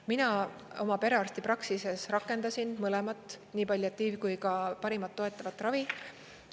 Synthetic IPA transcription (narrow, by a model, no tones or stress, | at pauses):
minɑo̞mɑpe̞ɾe̞ɑrst̪ipɾɑksise̞srɑkːˑe̞nd̪̥ɑsinmɤlɛmɑt̪ːˑniːpɑlʲjoet̪ːiːvkujkɑpɑɾimɑt̪ːo̞e̞t̪ːˑɑvɑt̪ːˑrɑvi